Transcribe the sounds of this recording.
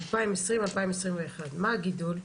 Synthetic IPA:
alpaimesʁimalpaimesʁimveːχadmaːɡidul

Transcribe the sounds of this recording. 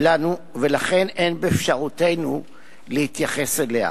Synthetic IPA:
lanu | ve̞laχe̞nʔe̞nbeːfʃaʁute̞jnu | lehit̪jaχe̞selea̰

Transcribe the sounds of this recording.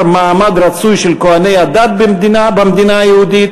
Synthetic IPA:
ɾmaːmɐd̪ɾɐt̪suːjʃilkoɐnɐjɐd̪ɐd̪̚bimd̪inaːbɐmd̪inaːjowd̪i

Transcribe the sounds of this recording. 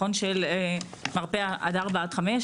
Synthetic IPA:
onʃel | maʁpeaʔa̰d̪aʁbat̪χameʃ

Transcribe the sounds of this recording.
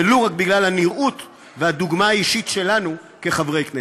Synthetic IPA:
eloʁakbiɡlalhaniʁut̪ | vehad̪uɡmaːiʃitʃe̞lanu | ke̞χavʁe̞jkne

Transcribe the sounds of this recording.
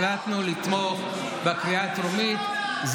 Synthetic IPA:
lat̪nulit̪moχ | bekʁiat̪ɾumit̪ | z

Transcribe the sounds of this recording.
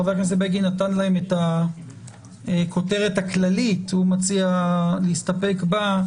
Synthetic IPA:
veaknes̬ebeɡinatanlahemeta | kʰo̞te̞ʁetaklalithumat͡sialeistape̞kba

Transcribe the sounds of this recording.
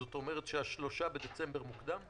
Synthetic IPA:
ot̪o̞meʁ̞etʃeaʃlo̞ʃabed̪et͡sembe̞ʁmukd̪am

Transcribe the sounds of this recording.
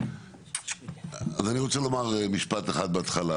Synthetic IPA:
azaniʁo̞t͡selo̞maʁemiʃpat̪eχad̪̚beat̪χala

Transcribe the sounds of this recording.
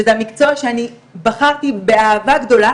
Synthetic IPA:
ezeamikt͡soaʃeani | baχaʁt̪ibe̞aːvaɡd̪o̞la

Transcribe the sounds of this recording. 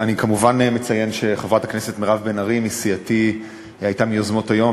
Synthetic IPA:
anikamuvanme̞t͡saje̞nʃe̞χevʁataknese̞tmeʁavbenaʁimisijati | ajtamiozmo̞tajo̞m

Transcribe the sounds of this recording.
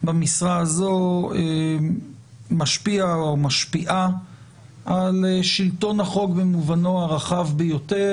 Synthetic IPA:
bamisʁaazoe | maʃpiaomaʃpiʔa | ʔaleʃilto̞naχo̞kbemuvano̞aʁaχavbejo̞te

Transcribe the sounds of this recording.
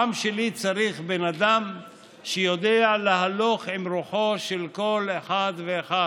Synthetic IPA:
amʃelit͡saɾiχbenad̪am | ʃejo̞d̪ealaɦaloχimɾuħo̞ʃelko̞leħad̪veːxa

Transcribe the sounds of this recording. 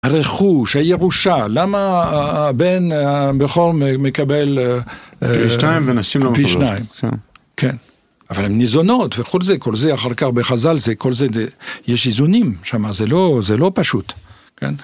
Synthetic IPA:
aʁeχuʃajeʁuʃalama | benbeχoʁmemekabel | ʃajimvenaʃimlopiʃnaim̰ | kʰɛn | avalemnizonot̪veχulzekolzeaχaʁkaχbeχazalzekolzezejɛʃizunimʃamazelozelopaʃut̪ | kɛ̰n

